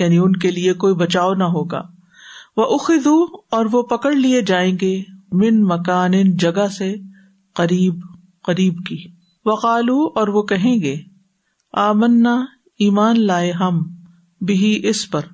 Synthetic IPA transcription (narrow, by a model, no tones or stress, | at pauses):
jaːniʊnkeliekoːibɐt͡ʃaːonɐɦoːɡa̰ː | ʋɐʔʊxɪd̪uɔːɾʋopɐkəɽlied͡ʒaːẽːɡemɪnmɐkaːnɪnd͡ʒɐɡase | qɐɾiːb | qɐɾiːbkiː | ʋɐqaːluɔːɾʋokɐɦẽːɡeː | aːmɐnːa | iːmaːnlaːeɦɐm | bɪɦiʔɪspɐɾ